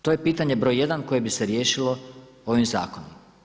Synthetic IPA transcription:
t̪ojepiːt̪aɲe̞bɾo̞jje̞d̪anko̞jebise̞ɾje̞ːʃilo̞ | o̞ʋimza̰ːkonum

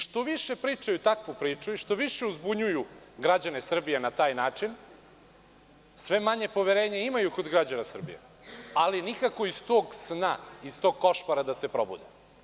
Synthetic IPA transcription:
ʃt̪oʋiʃe̞pɾiːt͡ʃajut̪akʋupɾiːt͡ʂuiʃt̪o̞ʋiʃe̞uzbuɲuju | ɡɾad͡ʑane̞sr̩bijenat̪aːjnaːt͡ʂin | sʋe̞maɲe̞po̞ʋeɾe̞ːɲeimajuko̞d̪ɡɾad͡ʑanasr̩bḭjḛ | alinikakoist̪oːɡsnaist̪o̞ɡ̚koʃpaɾad̪asepɾo̞bṵd̪e

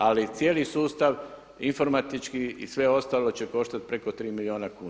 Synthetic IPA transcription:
alit̪sjeːlisuːst̪aʋ | info̞ɾmat̪it͡ʃkiḭsʋe̞o̞st̪aːlo̞t͡ɕe̞ko̞ʃt̪at̪̚pɾe̞ko̞t̪ɾiːmilio̞ːnakuːn

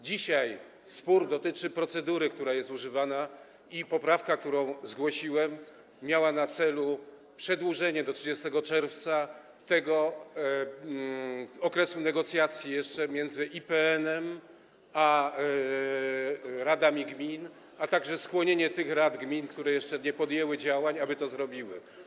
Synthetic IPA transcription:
d͡ʑiɕaj | spuɾd̪ɔt̪ɘt͡ʂɘpɾɔt̪sɛd̪uɾɘk̚t̪uɾajɛst̪uʐɘvana | ipɔpɾafkak̚t̪uɾɔ̃w̃zɡwɔɕiwɛmːʲ | jawanat̪sɛlu | pʂɛd̪wuʐɛɲɛd̪ɔtʂɘd͡ʑɛst̪ɛɡɔt͡ʂɛɾft̪sa | t̪ɛɡɔ | ɔkɾɛsunɛɡɔt̪sʲjat̪sʲjijɛʂt͡ʂɛmʲjɛnd̪zɘʔipɛɛnɛm | a | ɾad̪amʲiɡmʲin | at̪aɡʐɛskwɔɲeɲɛt̪ɘxɾad̪ɡmʲinkt̪uɾɛjɛʂt͡ʂɛɲɛpɔd̪jɛwɘd͡ʑawaɲabɘt̪ɔzɾɔbʲiwɘ̰

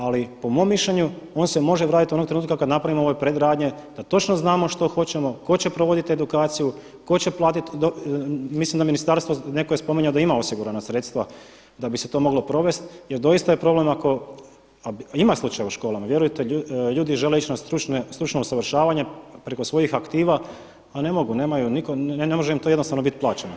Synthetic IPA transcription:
alipo̞mo̞mːiʃʎeɲuo̞ːnse̞mo̞ʒeʋɾaːt̪it̪iuo̞nokt̪ɾeuːt̪kakad̪napɾaʋimooʋepɾed̪ɾaːd̪ɲe̞d̪at̪o̞t͡ʃnoznaːmoʃt̪o̞xo̞t͡ɕe̞mo̞ko̞t͡ɕe̞pɾoʋo̞d̪it̪e̞d̪ukaːt̪siju | ko̞t͡ɕe̞plˠaːt̪it̪d̪omislimd̪aminist̪aɾst̪ʋone̞kojespo̞miɲaod̪aimao̞siɡuɾanasɾe̞t̪st̪ʋa | d̪abise̞t̪o̞ːmo̞ɡlo̞pɾo̞ʋe̞st̪je̞ɾd̪o̞jist̪ajepɾo̞ble̞mako̞ | aimaslˠut͡ʃajauʃko̞ːlamaʋje̞ɾujt̪euʎuːd̪iʒe̞le̞it͡ʃnast̪ɾut͡ʃnest̪ɾut͡ʃnousaʋr̩ʃaːʋaɲepɾe̞ko̞sʋo̞jixakt̪iːʋa | ane̞mo̞ɡuneːmajunikonemo̞ʒeimt̪oednost̪aʋnoit̪plaːt͡ʃeno

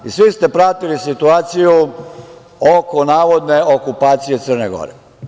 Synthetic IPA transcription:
isʋist̪e̞pɾat̪ilisit̪uaːt̪siju | okonaːʋo̞d̪ne̞okupaːt̪sije̞t̪sərneɡo̞̰ɾḛ

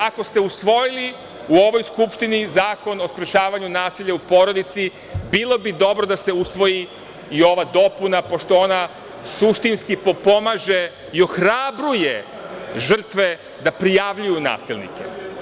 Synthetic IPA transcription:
ako̞st̪e̞usʋo̞jili | uo̞ʋo̞jskupʃt̪inizaːko̞no̞spɾet͡ʃaːʋaɲunaːsiʎaupo̞ɾo̞d̪it̪si | bilˠo̞bid̪o̞bɾo̞d̪ase̞usʋo̞ji | io̞ʋad̪o̞punapo̞ʃt̪o̞ona | suʃt̪inskipo̞po̞maʒe̞ | io̞xɾabɾuje | ʒr̩t̪ʋe̞ | d̪apɾijaʋʎujuna̰ːsilˠnḭkḛ

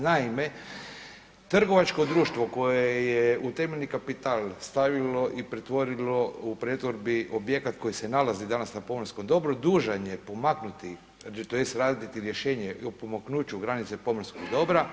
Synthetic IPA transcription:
naime̞ | t̪r̩ɡo̞ʋat͡ʃko̞d̪ɾuːʃt̪ʋo̞ko̞jejeut̪emeʎnikapit̪aːlˠst̪aʋilo̞ʔipɾet̪ʋo̞ɾilo̞upɾet̪ʋo̞ɾbiʔobje̞kat̪ko̞jisenalazid̪anasnapo̞mɾskomd̪o̞bɾod̪uːʒaɲe̞po̞maknut̪i | t̪ojest̪ɾaːd̪d̪it̪iɾjeʃe̞ːɲeopomaknuːt͡ʃuɡɾanit̪sepo̞mr̩skoɡd̪o̞bɾa

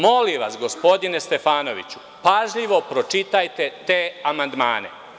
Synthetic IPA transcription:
mo̞liʋasɡo̞spo̞d̪inest̪e̞faːno̞ʋḭt͡ɕu̥ | paʒʎiʋo̞pɾo̞t͡ʃit̪ajt̪e̞t̪e̞ːamand̪ma̰ːnḛ

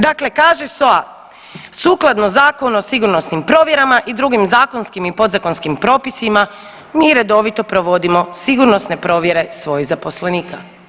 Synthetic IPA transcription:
d̪akle̞kaːʒesoa | suːklad̪nozaːkonosiɡuɾno̞snimpɾo̞ːʋje̞ɾamaʔid̪ɾuɡimzaːko̞nskimipo̞d̪zako̞nskimpɾo̞ːpisima | miːɾe̞d̪o̞ʋit̪o̞pɾoʋo̞d̪imo̞siɡuɾno̞sne̞pɾo̞ːʋje̞ɾe̞sʋo̞ːjizapo̞sleniːka

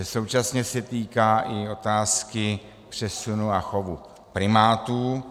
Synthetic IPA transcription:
ɛso̞wt͡ʃasɲɛsɛt̪iːkaːʔɪo̞t̪aːskɪ | pr̝̥ɛsunuaxovu | pɾɪmaːt̪uː

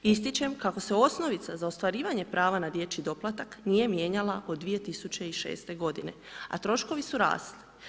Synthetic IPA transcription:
ist̪it͡ɕe̞mkako̞se̞o̞sno̞ʋit̪sazaost̪ʋaɾiːʋaɲe̞pɾaːʋanad̪je̞t͡ɕid̪o̞plˠat̪aknije̞mje̞ːɲalˠaʔod̪ːʋije̞t̪isut͡ɕe̞iʃe̞̰ːst̪e̞ɡo̞d̪ine̞a̰t̪ɾo̞ʃko̞ʋisuɾa̰ːstli̥

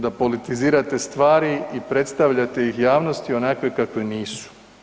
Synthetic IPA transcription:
d̪apo̞lit̪iziːɾat̪e̞st̪ʋaːɾiipɾe̞t̪st̪aʋʎat̪e̞jixjaːʋno̞st̪io̞nakʋe̞kakʋeniːsu̥

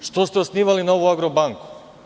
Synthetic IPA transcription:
ʃt̪ost̪ɛosniʋalinaoʋuaɡɾobaŋku̥

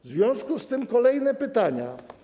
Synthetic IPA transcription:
vzvʲjɔ̃w̃skust̪ɘmkɔlɛjnɛpɘt̪aɲa

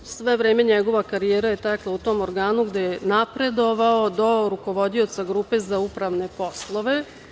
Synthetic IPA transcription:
sʋe̞ʋɾeːme̞ɲeɡo̞ʋakaɾijeːɾaje̞t̪aklˠaut̪o̞ːmoɾɡaːnuɡd̪ejenapɾe̞d̪o̞ʋaod̪o̞ɾuko̞ʋo̞d̪io̞t̪saɡɾuːpe̞zaupɾaʋne̞po̞slˠo̞ʋe̞

